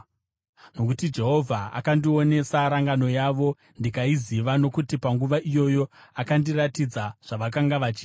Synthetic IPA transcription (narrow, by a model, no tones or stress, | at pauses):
no̞kutid͡ʒe̞ɦo̞vʱaa̰kandio̞ne̞saɾaŋɡano̞jaʋo̞ | ndikaiziʋano̞kutipaŋɡuʋaʔijo̞jo̞akandiratid͡zaʐ̥aʋak̬aŋɡaʋat͡ʃiː